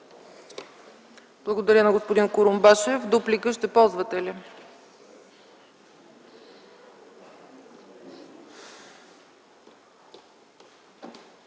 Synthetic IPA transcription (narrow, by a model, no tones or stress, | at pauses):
blˠɐɡod̪ɐɾʲjənɐɡospod̪inkʊɾʊmbaʃɛvd̪uplikəʃt̪ɛpɔlˠzvət̪ɛli